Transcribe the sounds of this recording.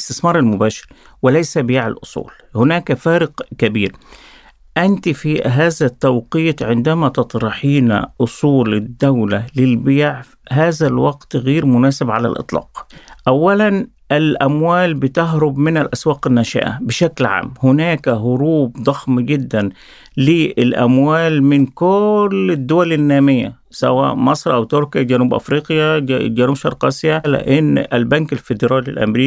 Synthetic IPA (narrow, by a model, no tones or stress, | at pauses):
st̪ɪsmɑːɾˤalmʊbaːʃɪ̥ɾ | wɪlajsabɪjaʕa̰lʔʊ̰sˤṵːl | hʊnaːkafaːɾɪqkabiːɾ | ʔant̪ifiɦaːðat̪ːawqiːt̪ˤʕɪnd̪amat̪ɑt̪ˤɾˤɑħiːna̰ʔʊsˤuːlɪd̪ːawlalɪlbɪjʕ | ɦaːzalwɑɡt̪ɣiːɾmʊnaːsɪbʕala̰lʔɨ̰t̪ˤlɑ̰ːqʔawːalan | ʔɪlʔamwaːlbɪt̪aɦɾʊbmɪnalʔaswaːqɪnːaʃa̰ʔa̰bɪʃaklʕa̰ːmːhʊnaːkɦʊɾuːbd̪ˤɑxmɡɪd̪ːan | lɪʔɪlʔa̰mwaːlmɪnkʊlɪd̪ːʊwalɪnːaːmɪjːa̰ | sa̰wa̰ːʔmɑsˤɾˤʔawt̪ʊɾkɪjaɡanuːbʔa̰fɾiːqjad͡ʒanuːbʃɑ̰ɾˤqɑsɪjalɪ̰ʔɪnːalbankalfɪd̪ɪɾˤɑːlḭlʔa̰mɾiː